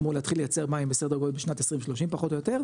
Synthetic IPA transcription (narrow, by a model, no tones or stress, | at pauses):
muleat̪χilejat͡se̞ʁmajimbesed̪aɡot̪̚beʃnat̪esʁimʃloʃimpaχo̞t̪o̞jo̞teʁ